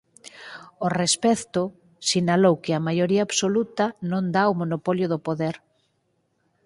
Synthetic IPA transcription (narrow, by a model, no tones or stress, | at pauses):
orespɛkt̪ʊ | sinalowkɪɐmajoɾiaaβsolut̪ɐnõnd̪aomonopɔljʊðopoðɛɾ